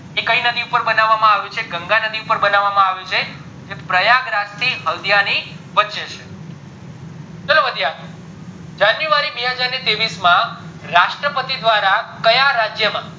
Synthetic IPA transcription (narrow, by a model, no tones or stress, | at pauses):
ekəinəd̪iupəɾbənaʋːamãaʋjũt͡ʃʰeɡəŋɡanəd̪iupəɾbənaʋːamãaʋjũt͡ʃʰe | d͡ʒepɾəjaɡɾast̪ʰiɦəld̪ijani | ʋətːʃet͡ʃʰe | t͡ʃəloʋəd̪ʱijat̪ | d͡ʒanjuʋaɾibɛɦəd͡ʒaɾnit̪eʋismãɾaʃʈɾəpət̪id̪ʋaɾakəjaɾad͡ʒjəmã